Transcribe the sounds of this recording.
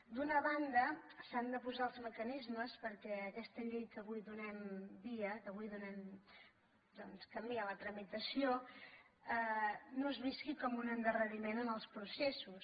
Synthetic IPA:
d̪unəβand̪əsand̪əpuzalˠzməkənizməspəɾkɛəkɛst̪əʎejkəβujðunɛmbiəkəβ̞ujðunɛm | d̪ɔnskəmiələt̪ɾəmit̪əsio | ənozβiskikɔmunənd̪ərəɾimenənəlˠspɾusesus

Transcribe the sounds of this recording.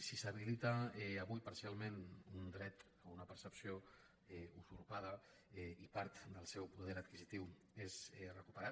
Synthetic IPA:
sisəβilit̪aɛːβujpaɾsialˠmenund̪ɾɛt̪ | əunəpəɾsəpsijo | ɛuzuɾpað̞ə | ɛipaɾt̪d̪əlˠsɛwpuðɛɾat̪kizit̪iw | ezɛrəkupəɾa

